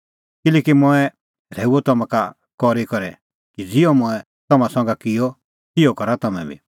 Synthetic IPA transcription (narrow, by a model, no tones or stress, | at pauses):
kɪlɛːkimʊɛ | ɾɛːuɔt̪ɔmãka | kɔɾikɔɾɛ̰ | kid͡zɪɔmʊ̃ɛ | t̪ɔmãsɔ̃ŋ̆ɡakɪjɔ | tɪɔkɔɾat̪ɔmɛ̰̃bḭ